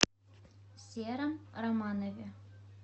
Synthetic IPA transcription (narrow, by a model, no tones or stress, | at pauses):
sʲeɾə̆mromɑnovʲe